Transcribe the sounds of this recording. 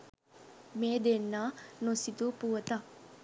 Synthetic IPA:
meːd̪enːanosit̪upuʋɐt̪a

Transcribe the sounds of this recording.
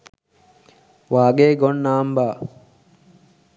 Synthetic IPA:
ʋaːɡeːɡonːaːmbaː

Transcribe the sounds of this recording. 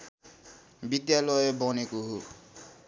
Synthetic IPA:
bid̪jalʌjbɔnekoɦo

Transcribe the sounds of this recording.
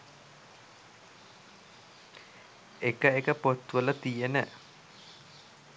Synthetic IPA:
ekəekəpot̪ʋələt̪ijenə

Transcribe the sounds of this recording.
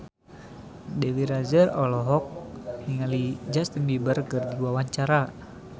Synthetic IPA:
dɛwiɾazərɔlɔɦɔk̚hiŋalid͡ʒast̪əŋbibərkərdiwawaɲt͡ʃaɾa

